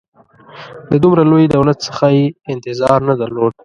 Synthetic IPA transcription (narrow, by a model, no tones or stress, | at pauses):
d̪əd̪ʊmɾalojd̪awlat̪sə̥xajeɪnt̪ɪzɑɾnad̪alod̪̚